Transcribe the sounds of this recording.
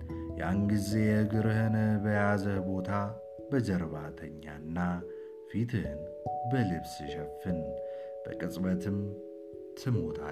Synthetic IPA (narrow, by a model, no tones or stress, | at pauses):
ja̰nɡize̞jɛɨɡɨɾɨhɨnəbəjazəhbo̞t̪ʰa | bəd͡ʒəɾβat̪ʰəɲːa̰nːa | fit̪ʰɨhɨn | bəlɨβsɨʃɛfːɨn | b̥ə̰kʼɨsʼbət̪ʰɨm | t̪ʰɨmot̪ʰa̰